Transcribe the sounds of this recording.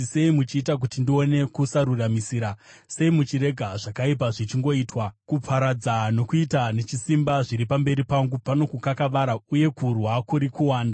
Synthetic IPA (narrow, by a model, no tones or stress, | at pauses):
se̞imut͡ʃiːtak̬utindio̞ne̞kusaɾuramisiːɾa | se̞imut͡ʃiɾe̞ɡʱaʐakaip̬aʐit͡ʃiŋɡo̞iːtwakupʰaɾad͡zano̞kuitane̞t͡ʃisimbaʐiɾipambe̞ɾipaŋɡupano̞kukakaʋaɾauje̞kurwakuɾikuwaːnda